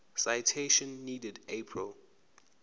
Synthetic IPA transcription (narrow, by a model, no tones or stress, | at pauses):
sajtʰeʃɔ̃nːidɛdepʰɹḭl